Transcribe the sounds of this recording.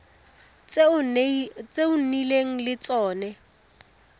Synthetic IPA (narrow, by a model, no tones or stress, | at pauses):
t͡sʼeʊn̩nileŋ̩lɪt͡sʼɔːnɛ